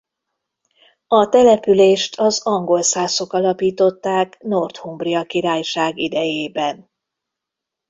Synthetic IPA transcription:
ɒt̪ɛlɛpyleːʃt̪ʰɒzɒŋɡo̞lsaːso̞kɒlɒpiːt̪o̞t̪ːaːknort̪humbriɒkiɾaːjʃaːɡid̪ɛjeːbɛn

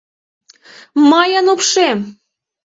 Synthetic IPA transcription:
mɑjənupʃem

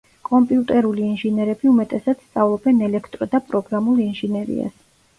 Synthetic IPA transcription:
kʼɔmpʼiut̪ʼɛɾuliɛnʒinɛɾɛbiumɛt̪ʼɛsat̪sst̪sʼavlˠɔbɛnɛlɛkʰt̪ʼɾɔd̪apʼɾɔɡɾamulˠɛnʒinɛɾḭa̰s

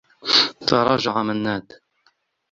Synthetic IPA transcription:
t̪ɑɾˤɑːd͡ʒaʕamanːaːd̪

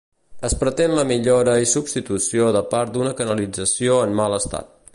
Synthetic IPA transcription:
əspɾət̪enləmiʎoɾəisubst̪it̪usioðəpaɾt̪̚d̪unəkənəlid͡zəsioəmmaləst̪a̰t̪̚

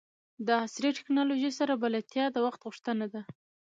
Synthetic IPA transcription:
d̪əɑsɾiʈɪ̥knɑloʒisaɾabalat̪jɑd̪əwaxt̪ɣuʂt̪ənad̪a

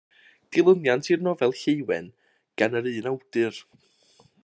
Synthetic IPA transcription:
d̥ɪlˠʊnjantʰirnɔvɛlˠɬejwɛ̰n | ɡ̥anəɾɨːnawd̥ɨr

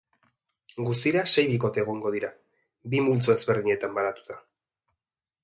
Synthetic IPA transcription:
ɡust̪iɾase̞jβiko̞t̪e̞ːɣ̞o̞ŋɡo̞ð̞iɾa | bimult͡soe̞zβe̞ɾðiɲe̞t̪ambaɾat̪u̥t̪ḁ

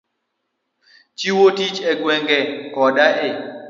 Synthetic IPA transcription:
t͡ʃiwotit͡ʃɛɡwɛŋɡɛkɔdaʔɪ

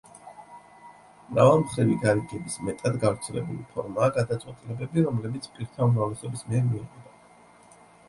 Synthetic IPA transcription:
mɾavalˠmχɾiviɡaɾiɡɛbismɛt̪ʼad̪ɡafɾt̪sʰɛlɛ̰bulipʰɔ̰ɾmaːɡad̪at̪sʼwɛt̪ʼilɛbɛbiɾɔmlɛbit̪sʰpʼiɾt̪ʰaumɾavlɛsɔbismiɛɾmiːʁɛd̪a

